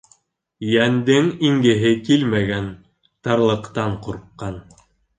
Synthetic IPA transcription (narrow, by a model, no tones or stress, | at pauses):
jænd̪ɘŋiŋɡɘ̆ɦɘkilmæɡæn | t̪ɑɾlˠɤ̆qt̪ɑɴquɾqːɑn